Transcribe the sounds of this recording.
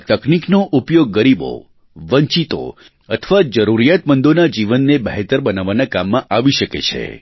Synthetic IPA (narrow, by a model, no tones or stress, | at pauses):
t̪əkniknoʔupjoɡːəɾibo̰ | ʋəɲt͡ʃit̪o̰ | ət̪ʰʋad͡ʒəɾuɾijat̪mənd̪onad͡ʒiʋənːebəɦet̪əɾbənaʋanãkamːãʔaʋiʃəkḛt͡ʃʰḛ